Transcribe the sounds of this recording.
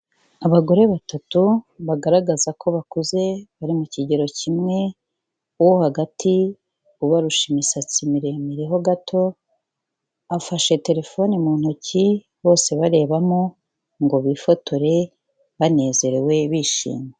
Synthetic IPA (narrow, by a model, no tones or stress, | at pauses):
aβaɡo̞ɾe̞βatatuβaɡaɾaɡazakʰo̞βakuze̞βaɾimuciɟe̞ɾo̞cimŋe̞ | uwohaɡati | uβaɾuʃimisat͡simiɾe̞miɾeɦo̞ɡatʰo̞ | afaʃe̞te̞ɾe̞fo̞nimun̥uci | βo̞ːse̞βaɾe̞ːβamo | ŋɡo̞βifo̞to̞ɾe̞ | βane̞ːze̞ɾe̞we̞βiːʃḭːme